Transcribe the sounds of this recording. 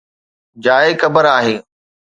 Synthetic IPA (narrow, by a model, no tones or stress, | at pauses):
d͡ʑaːekɐbəɾaːɦeː